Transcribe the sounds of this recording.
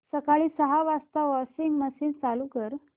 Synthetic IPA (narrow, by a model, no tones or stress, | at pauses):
səkaɭiːsəɦaʋast̪aʋɔsiŋɡməsiːnt͡salukəɾ